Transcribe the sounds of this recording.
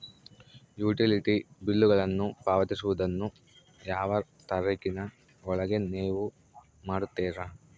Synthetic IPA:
juːʈiliʈibilːuɡɐɭɐnːupaːʋɐt̪isuʋud̪ɐnːu | jaːʋɐ | t̪ɐɾeːkinɐ | ɔɭɐɡe̞neːʋu | maːɽut̪ːɛːɾɐ

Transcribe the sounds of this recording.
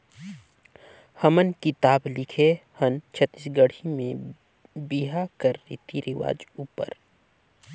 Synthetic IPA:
hɐmənkɪt̪aːblɪkʰehənt͡ʃʰət̪ːiːsɡəɽ̤imẽ | biɦakəɾːḭt̪iɾɪʋa̰ːd͡ʒuːpə̰ɾ

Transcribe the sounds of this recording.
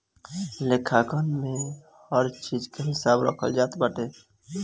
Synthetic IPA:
lekʰakənmẽ | həɾt͡ʃid͡ʒkeɦɪsaːbɾə̰kʰə̰ld͡ʒaːt̪bəʈe

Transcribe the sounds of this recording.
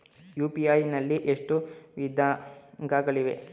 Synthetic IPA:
juːpiaːjnɐlːiʔeʂʈuʋid̪ʱaːŋɡaːɡɐɭiʋe

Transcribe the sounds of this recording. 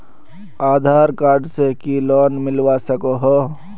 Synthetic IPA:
aːd̪ʱaːɾkaːɾɖsekilɔːnmɪlʋasəkoɦoː

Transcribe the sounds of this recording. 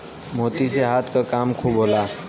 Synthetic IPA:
moːt̪iseɦaːt̪ʰkakaːmkʰubʱɦola

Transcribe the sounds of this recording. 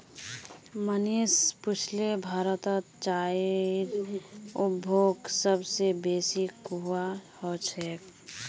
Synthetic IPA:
mənispʊt͡ʃʰlebʱaːɾət̪ət̪t͡ʃaːiɾʊbʱoːɡsəbsebeːsikːahot͡ʃʰɛ

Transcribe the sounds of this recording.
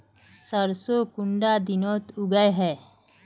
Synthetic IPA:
sɐɾsoːkʊ̃ɳɖaːd̪ɪnɔːt̪ʊɡəeɦɛː

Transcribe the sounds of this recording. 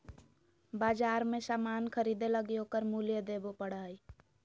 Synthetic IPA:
baːd͡ʒaːɾmesaːmaːnkʰəɾid̪eləɡiokəɾmulijəd̪ebopəɽaːi

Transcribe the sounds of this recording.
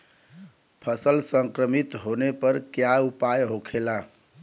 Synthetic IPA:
pʰəsəlsəŋkɾəmit̪ɦonepəɾkjaupajɦokʰela

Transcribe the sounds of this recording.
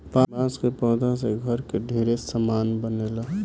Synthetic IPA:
pãbãskepə̃ːd̪aseɡʱəɾkeɖʱeɾesəmaːnbənela

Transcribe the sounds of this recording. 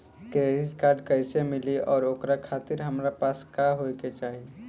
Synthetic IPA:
kɾeɾɪtkaːɾɖkɐɪsemɪliʔɔːɾoːkɾakʰaːt̪ɪɾɦɐmɾapaːskaːɦoket͡ʃaːɦie

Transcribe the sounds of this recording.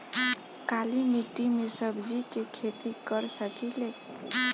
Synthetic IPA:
kalimiʈːimesəbd͡ʒikekʰet̪ikəɾsəkilek

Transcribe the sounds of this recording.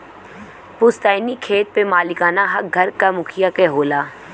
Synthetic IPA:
pʊst̪aːnikʰeːt̪̚pemaːlɪkaːnaɦɐk̚ɡʱɐɾkamʊkʰɪjakeɦoːlaː

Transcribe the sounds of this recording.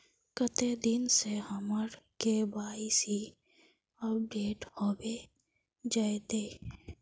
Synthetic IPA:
kət̪ed̪ɪnsehəməɾkebaːisi | əp̚ɖeːʈhoːbe | d͡ʒaet̪eː

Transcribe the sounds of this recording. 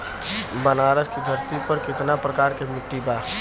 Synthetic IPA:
bənaːɾəskid̪ʱəɾt̪ipəɾkɪt̪napɾɐkaːɾkemɪʈːibaː

